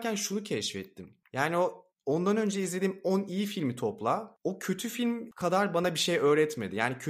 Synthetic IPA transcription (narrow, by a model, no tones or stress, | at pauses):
ænʃunucʰɛʃfɛ̰t̪ʰːim | jaːnio | o̞nd̪anø̞nd͡ʒɛizlʲe̞d̪iːmonijifilʲmit̪ʰo̞plˠaocʰø̞t̪ʰyfilʲmkʰad̪aɾbanabiʃejø̞ːɾɛt̪me̞d̪ijaːnicʰø